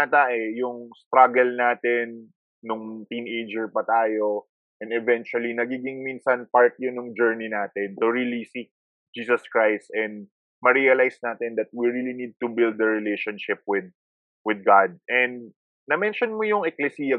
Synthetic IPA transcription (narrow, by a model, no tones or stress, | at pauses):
ɐt̪aʔɛjʊŋst̪ɾaɡɛlnaːt̪ɛnː | ʊŋt̪inejd͡ʒɛɹpɐt̪aːjo | ʔɛ̃nd̪ɛvɛnt͡ʃʊɐlinɐɡiːɡɪŋminsɐnpaɹt̪̚jʊnjʊŋd͡ʒɛɹninaːt̪ɛnt̪ʊɹilisik̚ | d͡ʒiːsɐskɹajst̪ɛ̃nd̪̚ | mɐɾiɐlajsnaːt̪ɛnd̪ɐt̪̚wiɹilinid̪̚t̪ʊbɪld̪̚ːɐɹɛlejʃonʃɪp̚wɪd̪̚ | wɪd̪̚ɡad̪̚ɛ̃nd̪̚ | nɐmɛnʃonmojʊŋʔɛklɛsiːjɐ